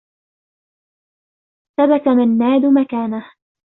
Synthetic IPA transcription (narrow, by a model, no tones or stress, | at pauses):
sabat̪amanːaːd̪ʊmakaːnah